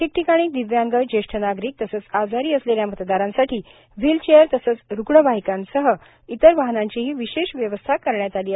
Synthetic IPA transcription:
ʈʰik̚ʈʰikaɽ̃iːd̪iʋjãŋɡəd͡ʑeʂʈʰənaɡɾiːk̚t̪əsət͡sad͡zaɾiːəsleljamət̪d̪aɾãnsaʈiː | ʋilt͡ɕejəɾt̪əsət͡sɾuɡɳəbaɦikãnsəɦə | it̪əɾʋaɦənãɲt͡ɕiɦiːʋiɕeɕʋjəʋəst̪ʰakəɾɳjat̪aliː

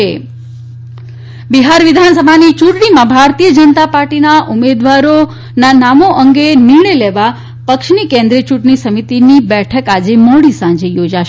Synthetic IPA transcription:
e | biɦaɾʋɪd̪ʱansəbʱanit͡ʃuʈɳimãbʱaɾt̪ijəd͡ʒənət̪apaɾʈinaʔumed̪ʋaɾo | nanamoʔəŋɡenɪɾɳəjleʋa | pəkʃnikẽnd̪ɾiət͡ʃuʈɳ̃isəmit̪inibɛʈʰəkad͡ʒemoɽisãɲd͡ʒejod͡ʒaʃ

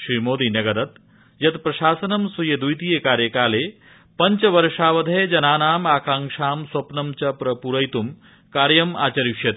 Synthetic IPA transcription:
ʃɾiːmoːd̪inɐɡɐd̪ɐt̪ | jɐt̪pɾɐʃaːsɐnɐmsujɐd̪ujt̪ijekaːɾjɐkaːleː | pɐɲt͡ʃɐʋɐɾʂaːʋɐd̪ʱɐed͡ʒɐnaːnaːmaːkaːŋʂaːmswɐpnɐmt͡ʃɐpɾɐpuɾɐjt̪um | kaːɾjɐma̰ːt͡ʃɐɾikʃjɐt̪

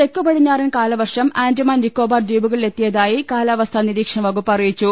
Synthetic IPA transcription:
t̪e̞kːupɐɽiɲːaːrinkaːlɐʋɐrʂɐmaːndɐmaːnnikːoːbaːr̚d͡ʑiːbuɣɐɭile̞t̪ːijɐðaːjikaːlɐʋɐst̪ʰɐniɾiːkʂɐɳɐʋɐɣupːɐrijit͡ɕːu

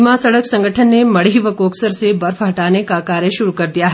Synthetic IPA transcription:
masɐɽəksɐ̃ŋɡʱəʈʰənːemɐɽiʋəkoːksəɾsebɐɾfɦɐʈaːnekakaːɾjəʃʊɾukɐɾd̪ijaɦ

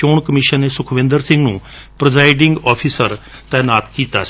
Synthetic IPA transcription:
oːɳkəmɪːʃənːeːsʊkʰʋɪ̃ːnd̪əɾsɪ̃ŋɡnṵ̃ːpɾəzaːɪɖɪŋɡɔːpʰiːsəɾt̪ɛːnaːt̪kiːt̪a̰ː

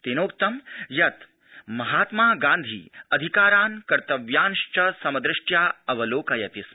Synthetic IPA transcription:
t̪enoːkt̪ɐmjɐt̪ | mɐɦaːt̪maːɡãːnd̪ʱḭːɐd̪ʱikaːɾaːnkɐɾt̪ɐʋjaːnʃt͡ʃɐsɐmɐd̪ɾɪʂʈjaːɐʋɐloːkɐjɐt̪is

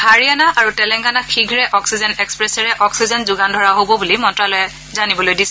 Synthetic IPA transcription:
haɹianaaɹutɛlɛŋɡanaxiɡʱɹɛʔɔksizɛnɛkspɹɛsɛɹɛʔɔksizɔnzʊɡandʱɔɹaɦobɔbulimɔntɹalɔjɛ | zanibɔlojdisɛ

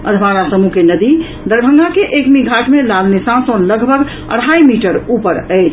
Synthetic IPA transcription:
ə̰d̪ʱʋaɾasəmukenəd̪i | d̪əɾbʱə̃ŋɡʱakeʔekmiɡʱaʈmelalnisãsonləɡʱbʱəɡ | ə̰ɽ̤ɦajmiʈəɾupəɾəjt͡ʃʰ

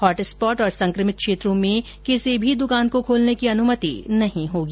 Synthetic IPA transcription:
hɔːʈɪspɔːʈɔːɾsɐ̃ŋkɾəmɪt̪̚kʃeːt̪ɾõmẽ | kesebʱid̪ʊkaːnkokʰoːlnekiɐnʊmət̪inɐɦĩɦoːɡiː

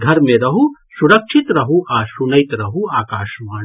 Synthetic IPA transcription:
ɡʱɐɾmẽɾɐɦusuɾɐkʃʰit̪ɾɐɦuʔaːsunɐjt̪ɾɐɦuaːkaːʃmaː

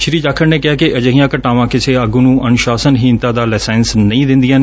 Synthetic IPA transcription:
ʃɾiːd͡ʒaːkʰəɾneːkɪaːkɪəd͡ʒəɦĩjãːkəʈaːʋãːkɪsʰeːəɡunũːʔənʊʃaːsənɦiːnt̪ãːd̪aːlɛːsɛːnsnəĩːd̪ɪ̃nd̪ɪjãːneː

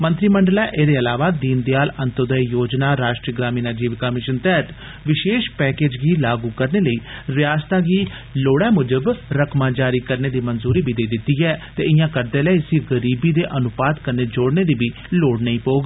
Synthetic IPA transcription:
mə̃nt̪ɾiːməɳɖəlɛːʔeːd̪eːəlaːʋaːd̪iːnd̪jaːlənt̪əd̪əijoːd͡ʒnaːɾaːʃʈɾiːəɡɾaːmĩːnaːd͡ʒiːʋkamɪʃənt̪ɛːt̪ | ʋɪʃeːʃpɛːkeːd͡ʒɡiːlaːɡuːkəɾneːləiːɾɪjaːst̪aːɡiː | loːɽɛːmʊd͡ʒəbɾəkʰmãːd͡ʒaːɾiːkəɾneːd̪iːmənzuːɾiːbʱiːd̪eːd̪ɪt̪ːiːɛːt̪eːɪjãːkəɾd̪eːlɛːsiɡəɾiːbiːd̪eːʔənʊpaːd̪kəɾneːd͡ʒoːɽneːd̪iːbiː | loːɽnəĩːpoːɡ

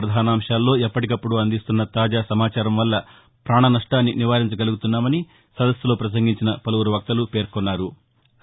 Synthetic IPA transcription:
ɾɐd̪ʱaːnaːmʂaːlːo̞ːepːɐʈikɐpːuɽuɐnd̪ist̪unːɐt̪aːd͡ʒaːsɐmaːt͡ʃaːɾɐmʋɐlːɐ | pɾaːɳɐnɐʂʈaːnːiniʋaːɾiɲt͡ʃɐɡɐluɡut̪unːaːmɐni | sɐd̪ɐsjlo̞ːpɾɐs̬ɐŋɡiɲt͡ʃinɐpɐlɐʋwuɾuʋɐk̚t̪ɐlupe̞ːɾkɔnːaːɾu

